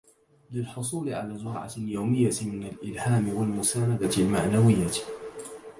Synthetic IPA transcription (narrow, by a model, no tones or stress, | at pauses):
lɪlħʊsˤuːlɪʕa̰laːzʊɾ̰ʕa̰ljawmɪjːamɪnalʔɪlhaːmɪwalmʊsaːnad̪aɪlmaʕnawɪjːa